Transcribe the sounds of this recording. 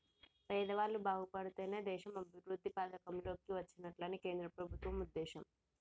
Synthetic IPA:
pɛːd̪ɐʋaːlːubaːɡupɐɽut̪eːneːd̪ɛːʃɐmɐbʱiʋɾud̪ʱːipaːd̪ɐkɐmlo̞ːkiʋɐt͡ʃːinɐʈlɐnike̞ːnd̪ɾɐpɾɐbʱut̪ʋɐmud̪ːeːʃɐm

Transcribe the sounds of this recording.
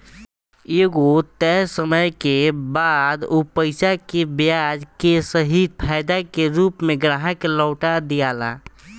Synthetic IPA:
eːɡot̪ɛsəməjkebad̪opəɪsakebjad͡ʒkesəɦid̪̚pʰaɪd̪akeɾuːpmeɡɾaɦakelɔʊʈad̪ijala̰

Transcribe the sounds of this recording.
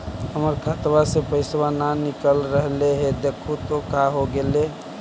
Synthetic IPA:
ɦəməɾkʰat̪wasepəɪswananikəlɾəɦleɦed̪ekʰut̪okaɦoɡele

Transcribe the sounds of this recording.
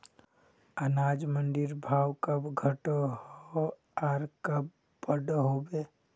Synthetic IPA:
ənaːd͡ʒmənɖ̪ɪɾbʱaːwkəbɡʱəʈoɦo | aɾkəb | bəɖɦoːbeː

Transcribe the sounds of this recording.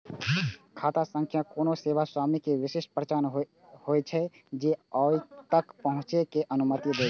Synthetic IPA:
kʰat̪asə̃ŋkʰjakonoseʋaswamikeʋiseʃpɾət͡ʃanɦ | hojt͡ʃʰɛ | d͡ʒeɔjt̪əkpəɦʊ̃t͡ʃekeʔənumət̪id̪e

